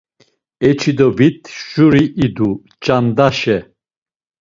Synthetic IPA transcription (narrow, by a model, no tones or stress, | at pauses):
ɛt͡ʃʰid̪ɔbit̪ʰʒuɾiʔid̪u | t͡ʃʼand̪aʃɛ